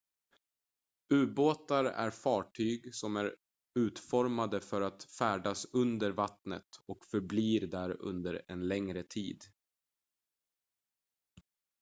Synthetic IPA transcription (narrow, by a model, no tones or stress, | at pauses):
ʉ̟ːboːt̪aɾæ̰ɾfɑːʈʰyːɡsɔmæɾ | ʉ̟ːt̪fɔɾmad̪əfœɾat̪fæːɖasɵnd̪əɾvat̪nə̰t̪ɔkfœɾbliːɾd̪æɾɵ̰nd̪əɾɛ̰nlɛŋɾət̪ʰḭːd̪